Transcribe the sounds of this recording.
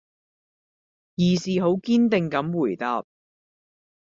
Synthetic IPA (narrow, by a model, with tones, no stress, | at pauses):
jiː˨˩siː˨ɦo˨˥wkiː˥nt̪ɪ˨˧ŋkɐ˨˥mwuː˨˩jt̪aː˧p̚